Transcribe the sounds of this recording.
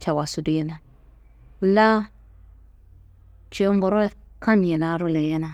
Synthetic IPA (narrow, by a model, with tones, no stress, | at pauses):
t͡ʃa˨wa˨su˨di˦na˨˦ | la˦ | t͡ʃe˨˦mbo˨ɾo˦ka˦mi˨na˦ɾu˦le˨je˦na˨